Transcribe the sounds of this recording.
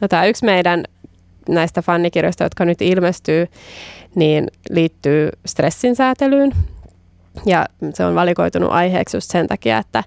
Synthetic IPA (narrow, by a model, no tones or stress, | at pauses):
not̪æːyksmeidæn | næist̪æfɑnːikirjoist̪ɑjot̪kɑnyt̪ilmest̪yː | niːnliːt̪ːyːst̪resːinsæːt̪elyːn | jɑseonʋɑliko̞it̪unṵʔɑjhḛːksjṵst̪sent̪ɑkiɑ̰et̪ːæ